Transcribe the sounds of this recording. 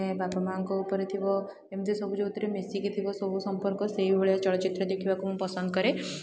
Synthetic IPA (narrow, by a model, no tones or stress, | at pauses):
ebapamaŋkɔupəɾet̪ʰiʋɔ | emt̪ʰesɔbʱud͡ʒeut̪ːɾemesikit̪ʰiʋɔsɔbʱusɔmpəɾkɔseʋibəɭjat͡ʃɔɭət͡ʃit̪ɾəd̪ekʰiʋakuɦũpəsənd̪̚kəɾe